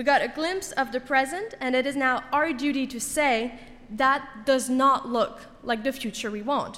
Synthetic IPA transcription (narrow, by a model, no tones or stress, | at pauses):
wiɡɑɾɨɡlɪ̃mpsʌvðɨpʰɹ̥ɛzɨ̃ntɨ̃nɨɾɨznaʊaʊə˞dʉɾiɾɨseɪ | ðət̚d̥ʌznəʔlʊk | laɪk̚ðɨfjʉt͡ʃə˞wiwɑ̃ʊ̃nt